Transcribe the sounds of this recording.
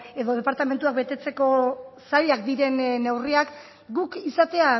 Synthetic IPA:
e̞ðo̞ð̞e̞paɾt̪ame̞nt̪uak̚be̞t̪e̞t͡se̞ko̞saɾiakd̪iɾe̞nnːewriak | ɡukisat̪e̞a

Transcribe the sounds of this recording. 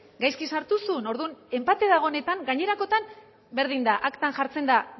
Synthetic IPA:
ɡajskisaɾt̪usuno̞ɾðune̞mpat̪e̞ðaɣ̞o̞ne̞t̪aŋɡaɲe̞ɾako̞t̪an | be̞ɾð̞ind̪aʔakt̪anʝaɾt͡se̞nd̪a

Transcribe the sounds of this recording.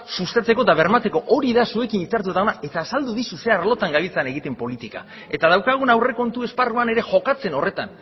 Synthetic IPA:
sust̪at͡se̞ko̞t̪aβe̞ɾmat͡se̞ko̞ʔoɾiðasue̞kinit͡saɾt̪uet̪aonaʔe̞t̪aːsald̪uðisuse̞arlo̞t̪aŋɡaβit͡seane̞ɣ̞it̪e̞mpo̞lit̪ika̰ | e̞t̪að̞awkaɣ̞unawre̞ko̞nt̪ue̞sparuane̞ɾe̞ʝo̞kat͡se̞no̞re̞t̪an

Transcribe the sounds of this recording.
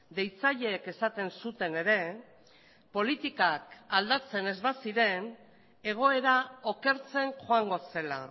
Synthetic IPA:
d̪e̞jt͡saʎe̞ːke̞sat̪e̞nsut̪e̞ne̞ɾe̞ | po̞lit̪ikakald̪at͡se̞ne̞zβasiɾe̞n | e̞ɣ̞o̞e̞ɾao̞ke̞ɾt͡se̞nxoaŋɡo̞se̞la̰

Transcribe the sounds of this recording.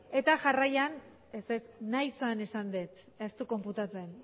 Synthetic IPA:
e̞t̪aʝarajan | esesnajsane̞sand̪et̪ | est̪uko̞mput̪at͡se̞n

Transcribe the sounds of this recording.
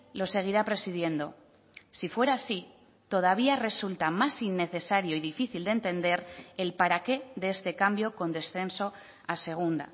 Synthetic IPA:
lo̞se̞ɣ̞iɾapɾe̞sið̞je̞nd̪o̞ | sifwe̞ɾaːsi | t̪o̞ð̞aβ̞iare̞sult̪amasinːe̞θe̞saɾjo̞iðifiθild̪ent̪e̞nd̪e̞ɾe̞lpaɾake̞ðeest̪e̞kambjo̞ko̞nd̪e̞sθe̞nso̞ | ase̞ɣ̞und̪a̰

